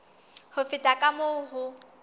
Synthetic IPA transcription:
hʊfɪtʼakʼamoɦʊ

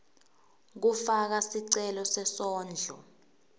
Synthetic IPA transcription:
k̬ufak̬asiǀɛlɔsɛsɔːnd͡ɮʱɔ

